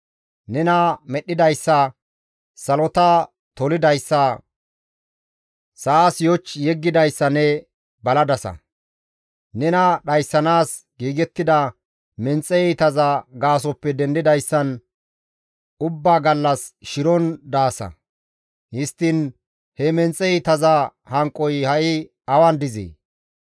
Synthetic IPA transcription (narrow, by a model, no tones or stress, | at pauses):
nɛnɐmɛɗːɪd̪ɐjsːɐ | sɐlɔt̪ɐ | t̪ɔlɪd̪ɐjsːɐ | sɐːsjɔt͡ʃːjɛɡːɪd̪ɐjsːɐnɛ | bɐlɐd̪ɐsɐ̰ | nɛnɐɗɐjsːɐnaːsɡiːɡɛt̪ːɪd̪ɐ | mɛnt͡sʼːɛɛt̪ɐzɐɡaːs̬ɔpːɛd̪ɛnd̪ɪd̪ɐjsːɐn | ʊbːaːɡɐlːɐsʃɪɾɔnd̪aːsɐ̰ | hɪst̪ːɪn | hɛmɛnt͡sʼːɛɛt̪ɐzɐhɐŋkʼːɔjhɐʔɪ | ɐwɐnd̪ɪzḛː